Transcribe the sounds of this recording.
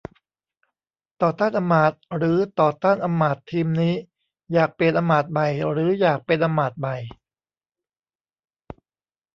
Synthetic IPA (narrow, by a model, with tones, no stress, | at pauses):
t̪ɔː˨˩t̪aː˥˩nʔa˧mːaː˨˩t̪̚ɾɯː˩˦t̪ɔː˨˩t̪aː˥˩nʔa˧mːaː˨˩t̪ʰːiː˧mniː˦˥ | jaː˨˩k̚pe˨˩nʔa˧mːaː˨˩t̪̚ba˨˩jɾɯː˩˦jaː˨˩k̚pe˧nʔa˧mːaː˨˩t̪̚ba˨˩j